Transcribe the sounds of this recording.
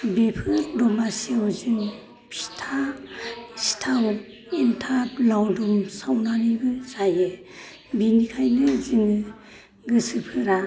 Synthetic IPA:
bepʰɯɾdɔmasewzun | pʰi̥tʰa | stʰaw | entʰaplawdumsawnanibɯzajɯ | binikʰajnɯziŋɯ | ɡɯsɯpʰɯɾa

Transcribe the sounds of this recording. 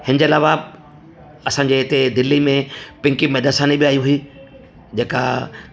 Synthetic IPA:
hɪnəd͡ʑeːɐlaːʋa | ɐsãːɲd͡ʑeːɦɪt̪ed̪ɪlːimẽpɪ̃ŋkimɛːd̪asaːnibiaːijũɦʊiː | d͡ʑeːka̰

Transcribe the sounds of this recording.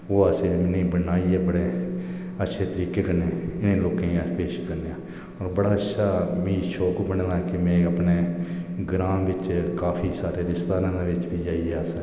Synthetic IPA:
oːaseːmɪnẽːbənaːiːɛːbəɽeː | ətːʃʰeːt̪əɾiːkeːkəɾneːɪnẽːloːkẽaːpeːʃkəɾneãː | ɔːɾbəɽaːətːʃʰaːmĩːʃoːkbəɳd̪ãkɪmɛ̃ːəpneːɡɾãːʋɪt͡ʃkaːpʰiːsaːɾeːɾɪst̪aːnãːd̪eːʋɪt͡ʃbiːd͡ʒaːiːɛːəs

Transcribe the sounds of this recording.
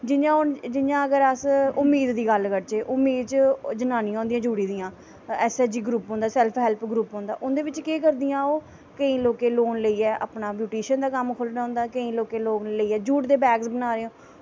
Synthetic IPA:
d͡ʒɪjãːʊnd͡ʒɪjãːəɡəɾəsʊmːiːd̪ːiːɡəlkəɾt͡ʃeːʔʊmːiːd̪t͡ʃd͡ʒənaːnĩãːnd̪ijãːd͡ʒuːɽiːd̪ijãː | ɛːsɛːd͡ʒiːɡɾuːpɦõːnd̪aːsɛlpʰɦɛːlpʰɡɾuːpɦõːnd̪a̰ːʔʊnd̪eːʋɪt͡ʃkeːk̬əɾd̪ijãːoː | kəĩːloːkeːloːnləiːɛːʔa̰ːpnaːbjuːʈiːʃənd̪aːkəmkʰʊlnaːʊ̃nd̪aːkəĩːloːkeːloːnləiːɛːd͡ʒuːʈd̪eːbɛːɡsbənaːɾeːõː

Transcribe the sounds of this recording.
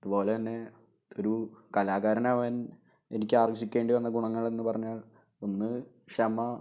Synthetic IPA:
iðubo̞ːlet̪ɐnːe̞ | o̞ɾukɐlaːɣaɾɐnaːʋaːn | enikʲːɨaːrɐɡɕikʲːe̞ːɳɖiʋɐnːɐɡuɳɐŋːɐɭe̞nːɨpɐrɐɲːaːɭ | o̞nːɨ | ɕɐmɐ

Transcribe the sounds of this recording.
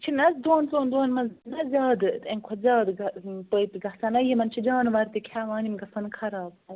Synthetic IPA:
t͡ʃʰinɐsd̪oːnt͡soːnd̪oːnmɐnznɐzʲaːd̪ɨẽnkʰozʲaːd̪ɡɐpəit̪iɡɐsɐnɐjimɐnt͡ʃʰid͡ʒaːnʋɐɾt̪ikʲʰaːʋãːnimɡɐsɐnkʰɐɾaːb

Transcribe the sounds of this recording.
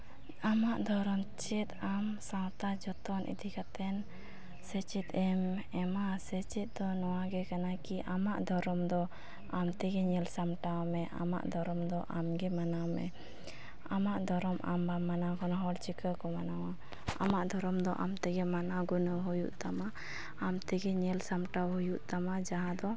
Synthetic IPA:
amaʔd̪ɔɾɔmt͡ʃɛt̪amsãwt̪ad͡ʒɔt̪ɔnʔḭd̪ikat̪ɛn | sɛt͡ʃit̪ɛm | ɛmasɛt͡ʃit̪̚ˀd̪ɔnɔwaɡɛkanakiʔamaʔd̪ɔɾɔmd̪ɔ | amt̪ɛɡɛɲɛlsamʈamɛʔa̰ma̰ʔd̪ɔɾɔmd̪ɔʔamɡɛmanamɛ̰ | amaʔd̪ɔɾɔmʔa̰mbamːanakʰɔnɦɔɽt͡ʃikəkɔmanawa | a̰maʔd̪ʱɔɾɔmd̪ɔʔamt̪ɛɡɛmanaɡunəwɦujuʔt̪amaː | mt̪ɛɡɛɲɛlsamʈawɦujuʔt̪amad͡ʒaɦãd̪ɔ

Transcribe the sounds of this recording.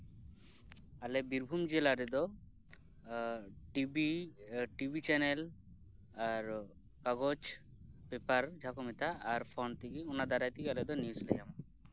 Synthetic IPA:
alɛbiɾbʱumd͡ʒelaɾɛd̪ɔ | ʈibiʈibʱit͡ʃɛnɛl | aɾ | kaɡɔt͡ʃ | pepaɾd͡ʒʱakɔmɛt̪ʰaːɾpʰɔnt̪iɡiunad̪aɾajt̪iɡialɛd̪ɔnjuslɛ̰jama

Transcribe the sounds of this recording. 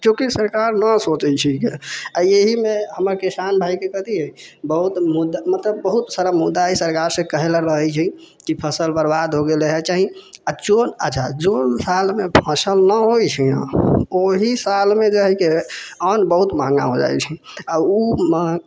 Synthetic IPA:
kõkisəɾkaɾnəsot͡ʃɛt͡ʃʰikeaeɦimeɦəməɾkisanbʱaikekət̪iɦɛ | bəɦut̪mud̪amət̪ləbːəɦut̪saɾamud̪ːaisəɾkaɾsẽkəɦelɾəɦɛt͡ʃʰi | kipʰəsəlbəɾbad̪ɦoɡeleɦɛt͡ʃaɦiad͡ʒonə̰ːt͡ʃʰad͡ʒonsalmepʰə̃səlnəɦojt͡ʃʰiã̰oɦisalmẽd͡ʒəɦɛkeənbəɦut̪maŋɡa̰ɦod͡ʒa̰jt͡ʃʰi | aumə

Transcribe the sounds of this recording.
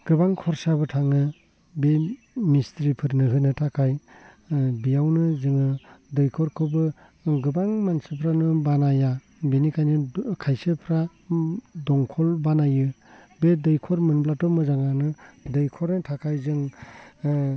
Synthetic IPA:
ɡ̥ɯbaŋkʰɔɾsabɯtʰaŋɯ | be | mistɾipʰɯɾnɯɦɯnɯtʰakʰaj | bijawnɯzɯŋɯdɯjkʰɔɾkʰɔbɯ | ɡɯbaŋmansɯpʰɾanɯbanaja | benikʰajnɯkʰajsɯpʰɾa | dɔŋkʰɔlbanajɯ | bedɯjkʰɔɾmɯnblatɔmɯzaŋanɯdɯjkʰɔɾnɯtʰakʰajzɯŋ

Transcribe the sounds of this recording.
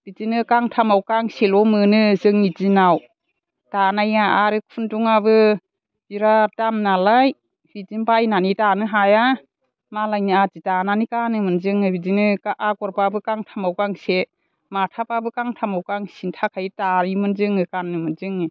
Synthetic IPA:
b̥izinɯkaŋtʰamawkaŋselɔmɯnɯzɯŋːitinaw | tanajaʔaɾɯkʰunduŋabɯ | b̥iɾadamnalaj | bizinbajnanitanɯɦaja | malajnɯatitananikanɯmɯnzɯŋɯbizinɯkaʔaɡɔɾbabɯkaŋtʰamawkaŋse | matʰapabɯkaŋtʰamawkaŋsintʰakʰajtaɾimɯnzɯŋɯkanːɯmɯnzɯŋɯ

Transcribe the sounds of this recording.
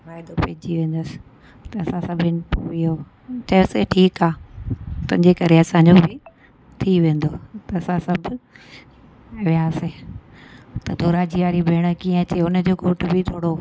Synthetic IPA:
ʋaːɪd̪opɐɦɪd͡ʑiʋẽːn̆d̪əsɪ̥ | t̪ɐɐsãsɐbʱɪnɪpoʋijo | t͡ɕɐjoseʈʰiːkaːt̪ʊ̃ɦɪɲd͡ʑekɐɾeɐsãɲd͡ʑobɪ | t̪ʰiʋẽːnd̪oːt̪ɐɐsãsɐbʱʊ | ʋijãːsẽ | t̪ɐd̪ʱoːɾad͡ʑiʋaːɾibʱeːɽ̃əkiːə̃ɐt͡ɕeʊnd͡ʑoːɡʱoːʈbʱɪt̪ʰoːɽo

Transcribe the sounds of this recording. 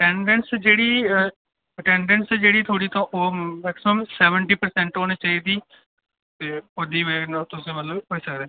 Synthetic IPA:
ʈɛ̃ːɳɖɛnsd͡ʒeːɽiː | ʈɛ̃ːɳɖɛnsd͡ʒeːɽiːt̪ʰoːɽiːt̪ãːʔoːmɛːksɪməmsɛːʋəɳʈiːpəɾsɛ̃ɳʈɦoːniːt͡ʃaːiːd̪iː | t̪eːod̪iːent̪ʊsẽːmət̪ləbɦoːiːsəkd̪eː

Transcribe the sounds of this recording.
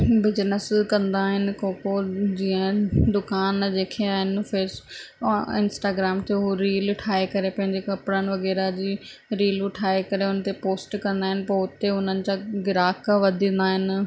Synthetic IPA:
bɪznəskɐ̃nd̪aːɦɪnɪ̆kõːkod͡ʑiːə̃d̪ʊkaːnd͡ʑeːkʰeaːɦɪnfeːs | ɪ̰nsʈaːɡɾaːmt̪ʰeɦuɾiːlʊʈʰaːekɐɾepɐ̃ɦɪ̃ɲd͡ʑekɐpɾənɪ̆ʋɐɣɛːɾad͡ʑiː | ɾiːlʊʈʰaːekɐɾeʊnət̪epoːsʈkɐ̃nd̪aːɦɪnɪ̆pɐʊt̪eʊn̤ənɪ̆t͡ɕaɡɪɾaːkaʋɐd̪ʱĩnd̪aːɦɪnɪ̆

